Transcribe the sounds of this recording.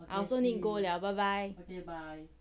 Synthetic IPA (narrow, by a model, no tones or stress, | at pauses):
ʔa̰soninkoljawbabaj